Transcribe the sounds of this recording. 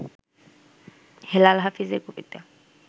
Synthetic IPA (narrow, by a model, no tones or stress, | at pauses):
helalɦafizekopit̪a